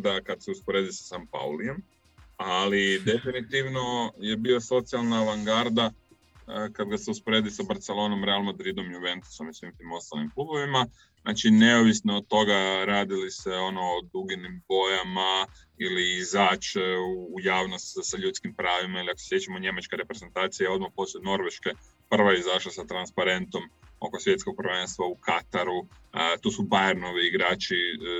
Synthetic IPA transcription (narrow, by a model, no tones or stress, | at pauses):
d̪akad̪seuspoɾe̞ːd̪isḁsampa̰ulie̞m | alid̪e̞finit̪iʋno̞je̞biːlaso̞t̪sialˠnaːʋaŋɡaɾd̪a | kad̪ɡaseuspo̞ɾed̪isabaɾt̪selo̞ːno̞mɾe̞almad̪ɾid̪o̞mjuʋe̞nt̪u̥so̞misʋimt̪imo̞st̪alimklubo̞ʋima | na̰ːt͡ʃine̞oʋisnoːd̪̚t̪ːo̞ɡaɾaːd̪iliseo̞no̞ːd̪uɡinimbo̞jama | iliːzaːt͡ʃeuːjaːʋnost̪saʎut̪skimpɾaːʋimailiako̥se̥sje̞t͡ʃamoɲe̞mat͡ʃkeɾe̞pɾe̞ze̞nt̪aːt̪sijeo̞d̪̚mapo̞slet̪no̞ɾʋeʃke̞ | pr̩ʋajeizaʃlˠasat̪ɾanspaɾe̞nt̪o̞mo̞̰kosʋje̞t̪sko̞ɡ̚prʋe̞nst̪ʋaukat̪aɾu | t̪uːsubajeɾnoʋiːɡɾaːt͡ʃi